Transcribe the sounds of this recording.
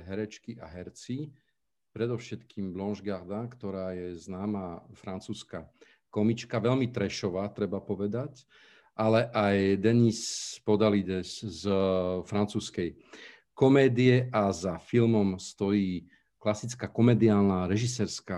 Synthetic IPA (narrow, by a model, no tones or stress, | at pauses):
ɦɛɾɛt͡ʃkiʔaɦɛɾt͡si | pɾɛd̪ɔʊʃɛt̪kiːmblɔnʒɡaɾd̪akt̪ɔɾaːjɛznaːmafɾant͡suːska | kɔmit͡ʃkaʋɛʎmit̪ɾɛʃɔʋaːt̪ɾɛbapɔʋɛd̪ac | ʔalɛʔajd̪ɛnispɔd̪alid̪ɛszfɾant͡suːskɛj | kɔmɛːd̪iɛʔazafilmɔmst̪ɔjiː | klasit͡skaːkɔmɛd̪iaːlnaɾɛʒisɛːɾska